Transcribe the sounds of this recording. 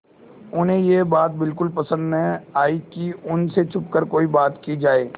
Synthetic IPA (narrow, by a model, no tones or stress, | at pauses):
ʊnɦẽjebaːt̪̚bɪlkʊlpɐsə̃nd̪nəaːikiʊnset͡ʃʰʊp̚kəɾkoːibaːt̪kid͡ʒaːeː